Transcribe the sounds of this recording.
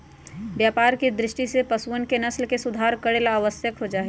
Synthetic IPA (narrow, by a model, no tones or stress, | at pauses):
bjapaɾked̪ɾɪʃʈisepəsuənkenəslkesud̪ʱaɾkəɽelaːʋəsjəkɦod͡ʒaːɦɛ